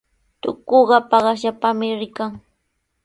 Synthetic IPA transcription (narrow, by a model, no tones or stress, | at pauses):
t̪ʊ̰koɢɑpɑɢɑʃapamɪɾɪkaŋ